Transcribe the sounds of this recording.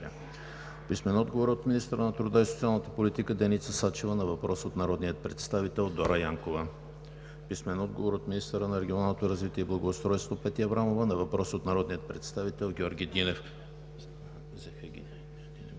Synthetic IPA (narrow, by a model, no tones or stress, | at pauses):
pismɛnɔd̪ɡovoɾot̪minist̪əɾənɐt̪ɾʊd̪aiso̥t̪sialˠnət̪əpolit̪ikəd̪ɛnit̪səsat͡ʃɛvənɐvɐpɾɔsot̪nɐɾɔd̪nijət̪̚pɾɛt̪st̪avit̪ɛlˠd̪ɔɾəjaŋkovə | pismɛnɔd̪̚ɡovoɾot̪minist̪əɾənɐɾɛɡʲionalˠnot̪oɾɐzvit̪iɛiblˠəɡoːst̪ɾɔjst̪vopɛt̪iɐvɾamovənɐvɐpɾɔsot̪nɐɾɔd̪nijət̪̚pɾɛt̪st̪avit̪ɛlˠɡʲɔɾɡʲid̪inɛf | zɛfɛɡʲi